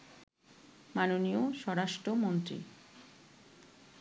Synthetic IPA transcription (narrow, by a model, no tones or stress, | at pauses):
manonioʃɔɾaʃʈɾomont̪ɾḭ